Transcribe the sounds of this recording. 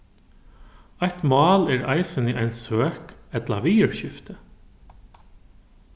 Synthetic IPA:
ɑɪt̪mɑːleːɾʔæ̰ɪsəniːʔæɪnsøːkɛt̪lɑ̰ʋiːəɹçʏft̪ə

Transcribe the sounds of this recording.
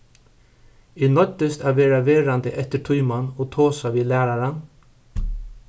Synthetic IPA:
inɔt̪əst̪æːʋeːɾaʋeːɾand̪əʔɛt̪əʈʰuʏmanoːt̪ʰoːsaʋiːlæːɾaɾan

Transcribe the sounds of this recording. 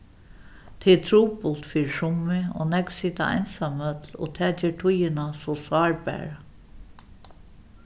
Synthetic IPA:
t̪ʰet̪ʰɾuːpʊlt̪fiːɾʂʊmɪo̰nɛksiːt̪a̰a̰jnsamœt̪lo̰ːt̪ʰɛːt͡ʃɛːʈʰʊjɪnasɔsɑːɹbæ̰ːɹa

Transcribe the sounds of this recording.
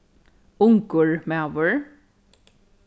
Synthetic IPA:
ʊŋkʊɹmæːʋʊɹ

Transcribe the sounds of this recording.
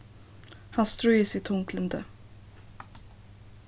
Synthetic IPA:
hanst̪ɾuːɪsɪt̪ʰːʊŋkʰlənd̪ə

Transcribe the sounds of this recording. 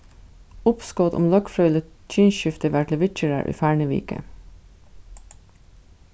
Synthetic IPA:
ʊpskɔːt̪ʊ̰mlœkfɾœʏlə | t͡ʃiːnʃʏft̪əʋæʈləʋɪt͡ʃəɹə̰ʔḭːfæːɳəʋḭːkə̰

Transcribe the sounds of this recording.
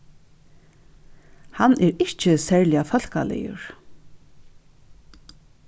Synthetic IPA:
hanʔɛɾɪht͡ʃɪsɛɹlɪjafœl̥ka̰lɛ̰jʊ̰ɹ

